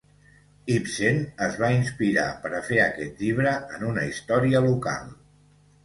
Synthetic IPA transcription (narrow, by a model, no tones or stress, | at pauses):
ipsenəzβainspiɾa̰pəɾəfeəkɛt̪ʎiβɾəənunəist̪ɔɾiəluka̰lˠ